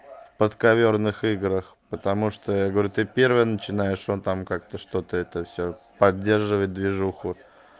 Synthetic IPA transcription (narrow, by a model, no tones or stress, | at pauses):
pət̪kɐvʲornɨxɨɡɾəx | pət̪ɐmuʂt̪ojaɡəvɐɾʲut̪ɨpʲervəjənət͡ɕɪnajɪʂot̪amkak̚t̪əʂt̪o̞t̪əɛt̪əfsʲɵpɐdʲːerʐɨvət̚ʲd̪vʲɪʐuxʊ